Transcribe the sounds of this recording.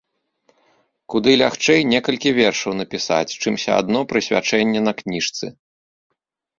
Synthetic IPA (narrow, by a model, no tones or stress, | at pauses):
kud̪ɨlʲaxt͡ʂɛjnʲɛkɐlʲkʲivʲɛrʂɐwnɐpʲisa̰t͡sʲt͡ʂɨmsʲɐ̰a̰d̪n̪ɔpɾɨsʲvʲa̰t͡ʂɛnʲːɛn̪ɐknʲiʂt̪sɨ̰